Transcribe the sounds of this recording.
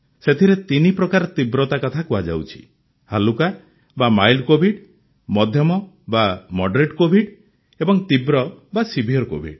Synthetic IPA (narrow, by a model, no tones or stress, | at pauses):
set̪ʰiɾet̪inipɾɔkaɾɔt̪ibɾɔt̪akɔt̪ʰakuad͡ʒa̰wt͡ʃʰi̥̰ | haluka | bamajlɖkobʱiɖ | mɔd̪ʱjɔmɔ | bamɔɖɾeʈkobʱiɖ | ebɔŋt̪ibɾɔbasibʱiɔɾko̰bʱḭɖ